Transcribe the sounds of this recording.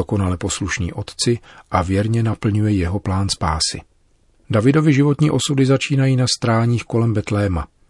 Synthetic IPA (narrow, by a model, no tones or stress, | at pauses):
oko̞nalɛpo̞sluʃnḭːʔo̞t̪t͡sɪʔavjɛɾɲɛnapl̩ɲujɛjɛɦo̞plaːnspaːsɪ̰ | davɪdo̞vɪʒɪvo̞t̪ɲiːʔo̞sudɪzat͡ʃiːnajiːnast̪ɾaːɲiːxko̞lɛmbɛt̪lɛːma̰